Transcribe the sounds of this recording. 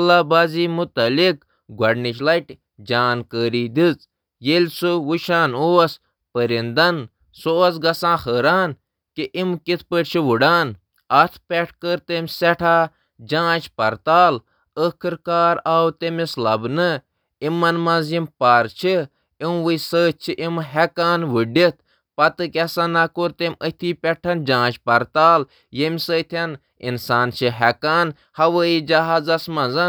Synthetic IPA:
ɐlaːbaːziːmut̪ɐlik | ɡʱɐɖnit͡ʃlɐʈʲ | d͡ʒaːnkəːɾiːd̪it͡s | jelʲsɨwuʃaːnoːɐs | pəɾind̪ɐn | soːɐs̬ɡɐsãːxəːɾaːn | kiʔimkit̪ʰpəʈʲt͡ʃʰiʋuɖaːn | ɐt̪ʰpʲɛʈʰkəɾt̪emʲsɛʈʰaː | d͡ʒãːt͡ʃʰpɐɾt̪aːl | əkʰɨɾkaːɾaːwt̪emislɐbnɨ | imɐnmɐ̃zjimpaːɾt͡ʃʰi | iw̃ʋɨjsəːt̚t͡ʃʰiʔimɦɛkaːnʋɨɖit̪̚ʰ | pɐt̪ɨkʲɛsanakoːɾt̪emʲət̪ʰiːpʲɛʈʰɐnd͡ʒãːt͡ʃʰpɐɾt̪aːl | jemʲsəːt̪ʰɐn | ḭnsaːnt͡ʃʰɨɦɛkaːn | hɐʋəːid͡ʒɐɦaːzɐsmɐ̃zɐn

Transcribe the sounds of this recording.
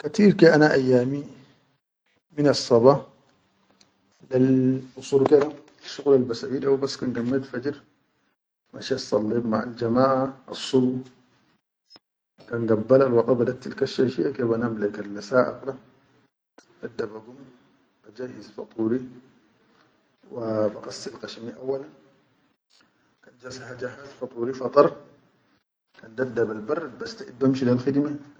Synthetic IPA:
kat̪iːɾkeʔanaʔajːaːmi | minɑsˤːɑba | lalʔusˤuːɾked̪a | suɣlalbasawiːlawbasːkanɡamːad̪fad͡ʒɾ | maʃasˤɑlːiɾma̰ʕa̰ld͡ʒamaːʕaɑ̰sˤːubu | kanɡabːalalwɑt̪ˤɑbad̪ak̚t̪alkaʃːaʃiʔakebanamlakalːasaːʔa̰qla | dad̪ːabaɡum | b̥ad͡ʒaːjizfɑ̰t̪ˤuːɾi | wabaqɑsːilqaʃmiʔawːalan | kand͡ʒashad͡ʒaħat̪fɑt̪ˤuːɾifɑt̪ˤɑɾˤ | kand̪ad̪ːabalbɑrˤːad̪̚bast̪aʔid̪bamʃilalxid̪ma

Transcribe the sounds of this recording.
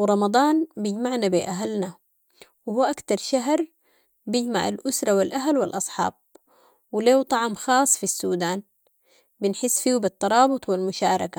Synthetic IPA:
wɾˤɑmɑd̪ˤɑːnbɪɟmaʕnabiʔaɦalna | wɪhuːʔakt̪ɑɾˤʃaɦɾˤ | bjɪɟmaʕa̰lʔʊsɾˤɑwilʔaɦalwɪlʔɑsˤħɑ̰ːb̚ | wɪleːwt̪ˤɑʕmxɑːsˤfisːuːd̪aːn | bɪnħɪsːfiːwbit̪ˤːɑɾˤɑːbʊt̪ˤwilmʊʃaːɾˤɑka

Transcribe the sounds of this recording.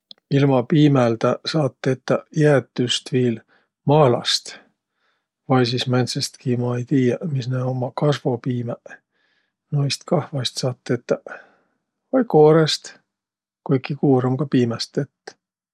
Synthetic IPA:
ilmɑpiːmeld̪̥ɑsɑːt̪ˑːet̪ːɑjæt̪ːˑyst̪viːl | mɑːlɑ̰st̪ | vɑjs̬ismænsest̪kimɑejt̪iːjɑmisnæomɑkɑsvo̞piːme | nojst̪kɑhvɑjst̪sɑːt̪ːˑet̪ːɑ | vɑjkoːɾest̪ | kujkːikuːɾɑmkɑpiːmest̪et̪ː

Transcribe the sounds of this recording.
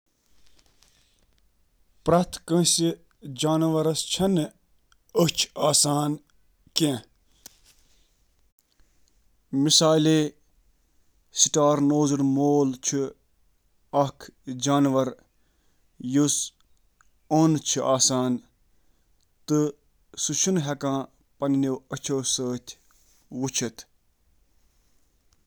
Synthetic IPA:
pɾɐt̪ʰkə̃si | d͡ʒaːnʋɐɾɐst͡ʃʰɐn | ət͡ʃʰaːsaːn | kẽ | misaːleː | siʈaːɾnoːzɨɽmoːlt͡ʃʰu | ɐkʰd͡ʒaːnʋɐɾ | jus | oːnt͡ʃʰiʔaːsaːn | t̪ɨ | suʃunɦʲɐkãː | pɐnniwɐt͡ʃʰoːsəːt̪ʲʰ | wut͡ʃʰɐt̪ʰ

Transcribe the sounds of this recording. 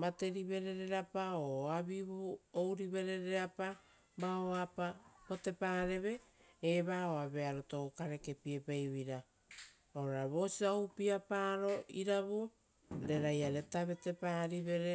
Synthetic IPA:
mate̞ɾiβe̞ɾe̞ɾeɾapaoabiβuowɾiβe̞ɾe̞ɾeapa | maoapapo̞te̞paːɾe̞βe̞ | eβaoaβe̞aɾotokaɾe̞ke̞pie̞pejβiɾa | oɾɾaβo̞siaupiapaɾo̞ʔiɾaβu | ɾe̞ɾajaɾetaβe̞te̞paɾiβe̞ɾe

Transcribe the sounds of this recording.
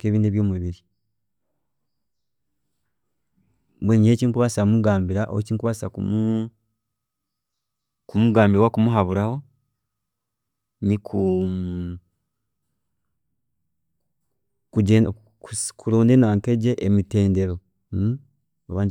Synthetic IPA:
keβiːndeβjoːmuβiɾi | bwenieːciŋkuβasamuɡaːmbiɾaʔo̰hociŋkuβasakumu | kumuɡaːmbiɾwakumuɦaβuɾaho̞ | nikʰu | kue | ukʰuɾoːndenaːŋkeɟeʔemite̞ːnde̞ɾo | aβaːɲ

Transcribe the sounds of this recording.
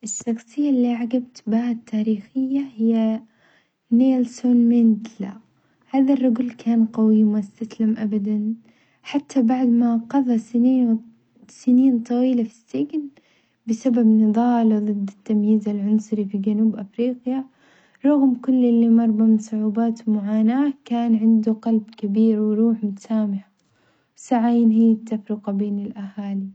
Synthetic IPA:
ʔɪsːɑqsɪjːalːiʔaʕaɡab̚t̪bhaːt̪ːaːɾiːxɪjːahɪjːa | neːlsoːnmɪnt̪la̰ | haːðarˤːʊɡʊlkʰaːnqɑwimast̪aslamʔabad̪an | ħat̪ːabaʕd̪maqɑðˤɑsɪniːn | sɪniːnt̪ˤɑwiːlafi̥sːɪɡn | bɪsababnɨðˤɑːlðˤɨd̪ːɪt̪ːamjiːzalʕʊnsˤʊɾifid͡ʒanuːbʔafɾiːqja | ɾˤʊɣmkʊlːʔɪlːimɑɾˤbɑmɪnsˤʊʕuːbaːt̪wmʊʕaːnaːkaːnʕɪnd̪uqɑlbkabiːɾwɪɾuːħmʊt̪ḁsaːmɪħa | wsaʕaːnɦiːat̪ːafɾɪqɑbeːnɪlʔahaːli

